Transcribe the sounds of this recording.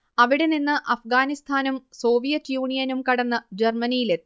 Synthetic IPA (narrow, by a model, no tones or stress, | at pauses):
ɐʋiɽeninːɨʔɐfɡaːnist̪ʰaːnumso̞ːʋijɐtːjuːɳijɐnumkɐɽɐnːɐd͡ʑermɐnijile